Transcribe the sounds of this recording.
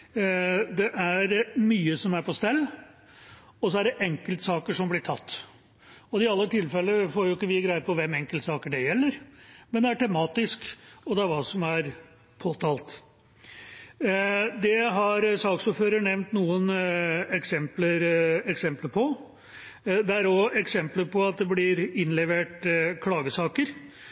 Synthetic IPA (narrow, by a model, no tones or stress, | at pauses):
d̪ɛʔæɾmyːəsɔmæɾpʰɔst̪ɛlː | ɔsɔæɖɛʔɛŋkəlt̪sɑːkəʂɔmblɪʈʰɑt̪ː | ɔd̪ɪɑlːət̪ʰɪlfɛlːəfoːɾjʊɪkːəʋɪɡɾæɪd̪əpʰɔʋɛmːɛŋkəlt̪sɑːkəɖɛjɛlːəɾmɛnd̪ɛæʈʰɛmɑːt̪ɪskɔd̪ɛæɾʋɑːsɔmæɾ | pʰoːt̪ʰɑːlt̪ | d̪ɛɦɑɾsɑːksuːɾføːɾəɳɛʋnt̪nuːənɛksɛmpləɾɛksɛmpləpʰɔ | d̪ɛæɾɔɛksɛmpləpʰɔɑt̪̚d̪ɛblɪɾɪnlɛʋeːʈkʰlɑːɡəsɑːkəɾ